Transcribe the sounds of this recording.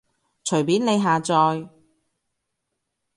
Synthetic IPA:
t͡ʃʰɵ˨˩ɥpiː˨˥nle˨˧jɦaː˨t͡sɔː˧j

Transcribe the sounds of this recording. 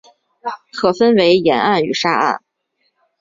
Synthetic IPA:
kʰɤ˨˩fə˥nwe˧˥ɪjɛ˧˥na˥˩ny˨˩ʂa˥a̰˥˩n

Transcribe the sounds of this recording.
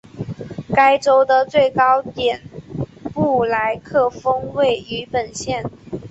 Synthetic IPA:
ka˥ɪʈ͡ʂo˥ʊd̪ə˨t͡swe˥˩ɪkɑ˥ʊt̪jɛ˨˩npu˥˩la˧˥ɪkʰɤ˥˩fɤ˥ŋwe˥˩ɪy˧˥pə˨˩nɕjɛ˥˩n

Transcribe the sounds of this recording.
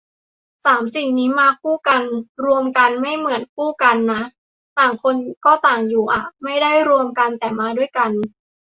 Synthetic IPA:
saː˩˦msi˨˩ŋniː˦˥maː˧kʰuː˥˩ka˧nɾu˧əmka˧nma˥˩jmɯ˩˦ənkʰuː˥˩ka˧nːa˦˥ʔ | t̪aː˨˩ŋkʰo˧nkɔː˥˩t̪aː˨˩ŋjuː˨˩ʔa˨˩ma˥˩jda˥˩jɾu˧əmka˧nt̪ɛː˨˩maː˧du˥˩əjka˧n

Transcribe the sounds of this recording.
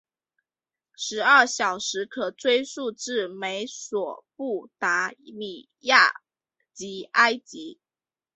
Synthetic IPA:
ʂɻ̩˧˥ə˥˩ɕjɑ˨˩ʊʂɻ̩˧˥kʰɤ˨˩t͡swe˥ɪsu˥˧ʈ͡ʂɻ̩˥˩me˧˥ɪswɔ˨˩pu˥˩t̪a˧˥li˨˩ | ja̰˥˩ | t͡ɕi˧˥a˥ɪt͡ɕi˧˥

